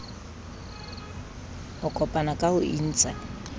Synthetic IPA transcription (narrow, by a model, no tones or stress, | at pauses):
hʊkʼɔpʼanakʼaʊʔin̩ːt͡sʼa